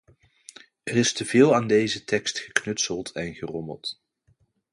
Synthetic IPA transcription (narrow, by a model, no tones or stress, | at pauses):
ərɪstəvɪːlˠaːndejzətɛkstχəknɵtsəlˠtɛnχərɔmə̰lˠt